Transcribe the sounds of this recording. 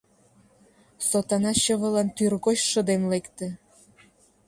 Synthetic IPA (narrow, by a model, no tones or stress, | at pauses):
sot̪ɑnɑɕəβə̆lɑnt̪yrɣoɕʃə̆d̪emlekt̪ĕ